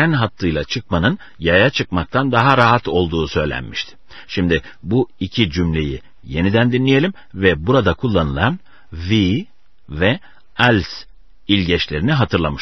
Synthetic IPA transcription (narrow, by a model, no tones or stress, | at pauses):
ænɦat̪ʰːˠɯjlˠat͡ʃʰɯk̚manɯn | jajat͡ʃʰɯkmak̚t̪ʰand̪aɦaɾaɦat̪o̞lˠd̪uːsø̞jlʲæ̰nmiʃt̪ʰɪ̥ | ʃimd̪ɪ | buicʰid͡ʒymlʲe̞̰jḭ | je̞nid̪ænd̪inlʲije̞lʲim | vɛbuɾad̪akʰulˠːanɯlˠan | vi | vɛ | ɛlʲs | ilʲɟɛt͡ʃlʲe̞ɾiniɦat̪ʰɯɾlˠamɯʃ